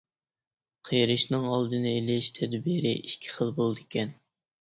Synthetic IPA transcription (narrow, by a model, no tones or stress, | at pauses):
qʰəjɾɨʃnɨŋɑlˠd̪ɨnɨelɪʃt̪ʰɛd̪biɾɪʔiʃkʲʰi̥χəlˠbolˠd̪ɨkʲɛn